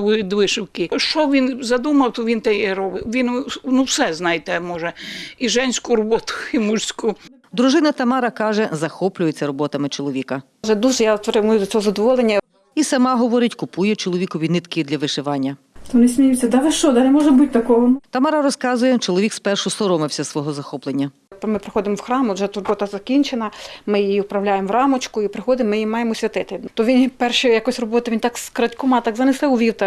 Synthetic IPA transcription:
ʊid̪ʋɪʃɪwkɪʃt͡ʃɔʋʲinzɐd̪umɐwt̪ɔʋʲint̪ɛjɛɾɔbɪʋʲinnuwsɛznɑjt̪ɛmɔʒɛiʒɛnʲsʲkʊɾɔbɔt̪ʊ̥imursʲkʊ | d̪ɾʊʒɪnɐt̪ɐmɑɾɐkɑʒɛzɐxɔplʲʊjet͡sʲːɐɾɔbɔt̪ɐmɪt͡ʃɔlˠɔʋʲikɐ | ʒɛd̪uʒɛjapɾɪmʊjʊt̪ʲɔzɐd̪ɔʋɔlˠenʲːɐ | isɐmɑɦɔʋɔɾɪtʲkʊpujɛt͡ʃɔlˠɔʋikɔʋʲinɪt̪kɪd̪lʲɐʋɪʃɪʋɑnʲːɐ | t̪ɔnɪsʲmʲijut͡sʲːɐd̪ɑlɪʃt͡ʃɔd̪ɐnɛmɔʒɛbutʲt̪ɐkɔɦɔnt̪ɐmɑɾɐɾɔskɑzʊjɛt͡ʃɔlˠɔʋikspɛrʃʊsɔɾɔmɪwsʲɐsʋɔɦɔzɐxɔplˠenʲːɐ | mɪpɾɪxɔd̪ɪmɔwxɾɑmʊʒɛt̪rɔbɔt̪ɐzɐkʲinʲt͡ʃenɐmɪjijiʊpɾɐwlʲajemʋrɑmɔt͡ʃkʊipɾɪxɔd̪ɪmːɪjimɑjemɔsʲʋʲɐt̪ɪt̪ɪt̪ɔʋʲinpɛrʃɛjɐkɔsʲrɔbɔt̪ɐʋint̪ɑkskɾɐtʲkɔmɑt̪ɑkzɐnɪsɛwʋʲiwt̪ɐ

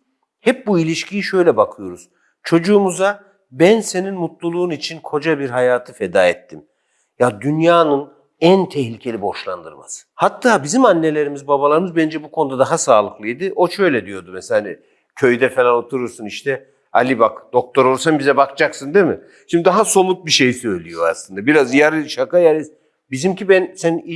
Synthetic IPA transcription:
hɛp̚builʲiʃcʰijiʃø̞jlʲɛbakʰɯjo̞ɾuz̥ | t͡ʃʰo̞d͡ʒuːmuza | bænse̞ninmut̪lˠulˠuːnit͡ʃʰinkʰo̞d͡ʒabiɾɦajaːt̪ʰɯfed̪aːɛt̪ːim | jad̪ynjaːnɯn | ænt̪ʰɛhlʲicʰe̞lʲibo̞ʃlˠand̪ɯ̰ɾma̰sɯ̥hat̪ʰːaːbizimanːe̞lʲe̞ɾimizbabalˠaɾɯmɯzbænd͡ʒɛbukʰo̞nud̪ad̪aɦasaːlˠɯklˠɯjd̪iʔo̞ʃø̞jlʲɛd̪ijod̪umɛselʲanɛ | cʰø̞jd̪ɛfe̞lʲanot̪ʰuɾuɾsuniʃt̪ʰɛ | a̰lʲibakd̪̥o̞k̚t̪ʰo̞ɾoɾsanbizɛbakt͡ʃaksɯnd̪emɪ | ʃimd̪id̪aɦaso̞mut̪̚biʃejsø̞jlʲijo̞a̰slˠɯnd̪abiɾazjaɾʃakajaɾis | bizimcibænsæni

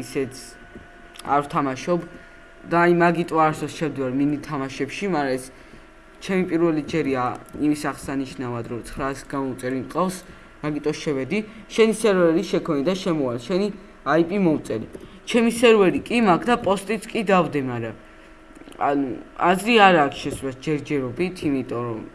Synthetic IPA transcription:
isɛt̪sʰ | a̰ɾvt̪ʰamaʃɔb | d̪aːimaɡit̪ʼɔaɾsɔst͡ʃʰɛmd̪ivaɾminit̪ʰamaʃɛpʃimaɾaɛs | t͡ʃʰɛmipʼiɾvɛlid͡ʒɛɾiaimisaχsaniʃnavad̪ɾɔt̪sʰχɾasɡamɔut̪sʼɛɾiqʼavs | maɡit̪ʼɔsʃɛvɛd̪iʃɛnisɛɾvɛɾiʃɛkʰɔnid̪aʃɛmɔalʃɛni | aipʼimɔut̪sʼɛɾi | t͡ʃʰɛmisɛɾvɛɾikʼimakʰd̪apʼɔst̪ʼit̪sʰkʼid̪avd̪ɛmaɾa | a̰nuazɾiaɾaːkʰʃɛsɾɛsd͡ʒɛɾd͡ʒɛɾɔbit̪ʰimit̪ʼɔɾɔ

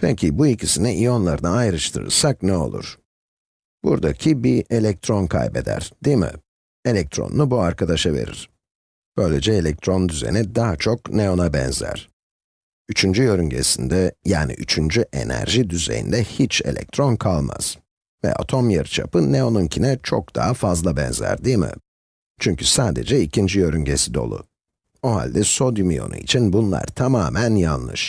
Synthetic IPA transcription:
pʰɛcʰibuicʰisiniʔijo̞nlˠaɾɯnaajɾɯʃt̪ʰɯɾɯ̰ɾsak̚nɛo̞̰lˠṵɾ̥ | b̥ṵɾd̪acʰibie̞lʲɛk̚t̪ɾo̞nkʰa̰jbe̞d̪æ̰ɾ̥d̪̥imɪ̰ | e̞lʲɛk̚t̪ʰɾo̰nnubuaɾkʰad̪aʃave̞̰ɾḭɾ̥ | b̥ø̞jlʲed͡ʒɛelʲɛk̚t̪ʰɾo̞nd̪yzḛnid̪aɦat͡ʃʰo̞kneo̞nabɛ̰nzæ̰ɾ̥ | yt͡ʃʰynd͡ʒyjø̞ɾyɲɟe̞̰sind̪ɛjaːnḭʔyt͡ʃʰynd͡ʒyʔe̞næ̰ɾʒid̪yze̞̰jind̪ɛhit͡ʃe̞̰lʲɛ̰c̚t̪ʰɾo̞nkʰalˠma̰z̥ | vɛ̰ʔa̰t̪ʰo̞mjɯɾt͡ʃʰapɯneo̞nuncʰinɛt͡ʃʰo̰k̚d̪̥aɦafazlˠabɛnzæ̰ɾd̪iːmɪ̰ | t͡ʃʰyɲcysaːd̪e̞d͡ʒɛicʰind͡ʒijø̞ɾyɲɟe̞sid̪o̞̰lˠṵ | oɦa̰lʲd̪ɛso̞d̪imijo̞̰nṵit͡ʃʰinbunlˠa̰ɾt̪ʰamaːmænjanˠlˠɯʃ

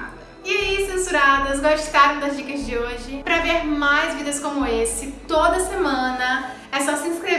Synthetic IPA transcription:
ɪaisẽsuɾad̪ɐzɡoʃt̪aɾɐ̃w̃d̪ɐzd͡ʒikɐzd͡ʒɪoʒɪpɾɐveɾmajzvid̪ɐskõmʊesɪt̪od̪ɐsemɐ̃nɐ | ɛsɔsɪ̃skɾe

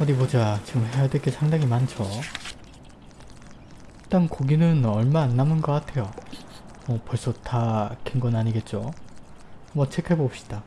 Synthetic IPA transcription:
ʌdimod͡ʑat͡ɕiɡɯmhe̞jadwek͈e̞sʰaŋdaŋimant͡ɕʰo | t͈ankoɡinɯnʌɭmaːnːamɯnɡʌk͈atʰe̞jo | mʌpʌɭs͈ʌtʰakenɡʌnaɲiɡe̞t̚t͡ɕ͈o | mʌt͡ɕʰe̞kʰe̞bʌːp̚ɕ͈i̥d̥a

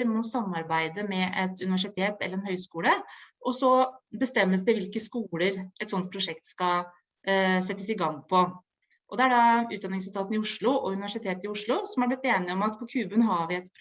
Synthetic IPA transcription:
ɾmɔsɑmːɑɾbæɪd̪əmɛʔɛt̪ʰʉnɪʋæʂɪt̪ʰeːt̪ɛ̰lːəɾɛnhœʏskuːləʔɔsɔbəst̪ɛmːəsd̪ɛʋɪlkəskuːləɾɛt̪sɔnt̪̚pʰɾʊʂɛk̚t̪skɑ | sɛt̪ːəsɪɡɑŋpʰɔ | ʔɔd̪ɛæɖɑʉ̰ːt̪d̪ɑnɪŋslt̪ʰɑːt̪ənɪʊʂɭʊʔɔʉnɪʋæʂɪt̪ʰeːt̪ɪʊʂɭʊsɔmhɑɾblɪt̪ːeːnɪɔmɑt̪pʰɔkʰʉːbənɦɑɾʋɪɛt̪pʰ

